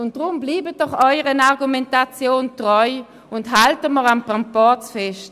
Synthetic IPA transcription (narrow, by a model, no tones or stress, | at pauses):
ʊnt̚dʁʊmbliːbədɔχɔʏəʁənaʁɡumɛntat͡sjoːntʁɔʏ | ʊntɦaltəməʁanpʁampɔt͡sfɛʃt